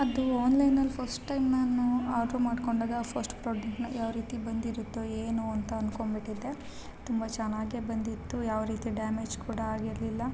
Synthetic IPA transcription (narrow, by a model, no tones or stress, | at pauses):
ɐd̪uaːnlɐjnɐlpʰɐɾsʈʈɐjmnaːnːuaːd͡ʒomaːɖkoɳɖaːɡɐpʰɐɾsʈpɾoːd͡ʒekʈnɐjaːʋɾiːt̪ibɐnd̪iɾut̪ːueːnuɐnt̪ɐɐnko̞ɳbiʈːid̪ːe̞ | t̪umbɐt͡ʃɐnːaːɡebɐnd̪it̪ːujaːʋɾiːt̪iɖaːmeːd͡ʒkuːɽɐaːɡiɾlilːɐ